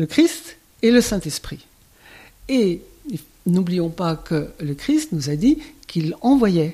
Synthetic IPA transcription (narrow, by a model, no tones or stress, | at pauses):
ləkχist̪ | eləsɛ̃t̪ɛspχi | e | i | nublijɔ̃pakələkχist̪nuzad̪ikilɑ̃vwajɛ